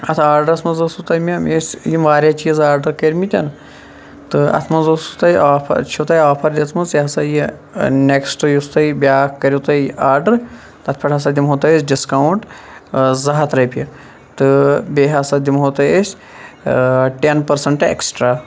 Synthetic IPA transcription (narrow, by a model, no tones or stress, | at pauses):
ɐt̪ʰaːɾɖɐɾɐsmɐzɐsut̪ɐjmʲɐmʲesʲjimʋaːɾʲjat͡ʃiːzaːɾɖɐɾkɐɾʲmit̪ʲɐn | t̪ɨɐ̰t̪ʰmɐnzəsut̪ɐjaːpʰɐ̰t͡ʃʰut̪ajaːpʰɐɾd̪ʲit̪ʰmɐnzjiɦɐsaji | neksʈɨjust̪ɐibʲaːkkːɐɾʲjit̪ɐjaːɾɖɐɾ | t̪ɐt̪ʰpʰɐʈʰas̬ad̪ʲimɦoːt̪ɐjesʲɖiskawɳʈ | zɐɦɐt̪ɾɐjpʲi | t̪ɨbʲeɦasad̪ʲimɦoːt̪ɐjesʲ | ʈenpɐɾsɐɳʈḛksʈɾaː